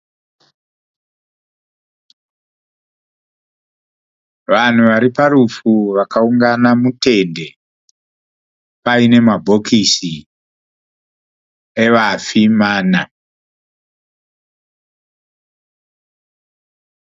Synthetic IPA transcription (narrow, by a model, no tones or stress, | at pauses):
ʋan̤uʋaɾipaɾufuʋakauŋɡanamute̞nde̞ | paine̞mabʱo̞kisi | eʋafimaːna